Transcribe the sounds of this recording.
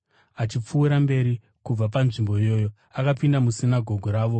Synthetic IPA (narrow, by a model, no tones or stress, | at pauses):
at͡ʃip͡fuːɾambe̞ɾi | kub͡vap̬anʐimbo̞ijo̞ːjo̞ | akapindamusinaɡʱo̞ɡʱoɾaːʋo̞